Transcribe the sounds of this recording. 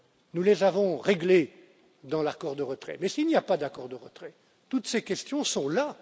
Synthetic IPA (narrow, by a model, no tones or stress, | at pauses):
nulezavɔ̃ʁeɡle | d̪ɑ̃lakɔʁd̪əʁət̪χɛ̰mɛsilniapad̪akɔʁd̪əʁət̪χɛ | t̪ut̪sekʲɛst̪jɔ̃sɔ̃la